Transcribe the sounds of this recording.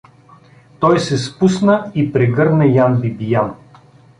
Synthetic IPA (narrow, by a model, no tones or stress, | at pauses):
t̪ɔjsɛspusnəipɾɛɡɤɾnɛjanbibijan